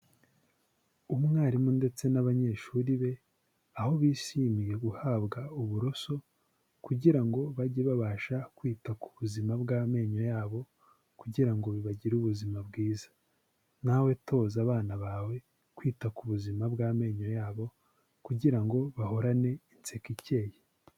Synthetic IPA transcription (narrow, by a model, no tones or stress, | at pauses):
umŋaːɾimunde̞t͡se̞naβaɲe̞ʃuɾiβe̞ | aho̞βiːʃiːmije̞ɡuhaːβɡauβuɾo̞so̞ | kuɟiɾaŋɡo̞βaɟiβaβaːʃakwiːtaku̥βuzimabɡaːme̞ːɲo̞jaːβo̞ | kuɟiɾaŋɡo̞βiβaɟiɾuβuzimabɡiːzḁ | nawe̞tʰo̞ːzaβaːnaβaːwe̞ | kwiːtakuβuzimabɡaːme̞ːɲo̞jaːβo̞ | kuɟiɾaŋɡo̞βaho̞ɾane̞int͡sekice̞ːje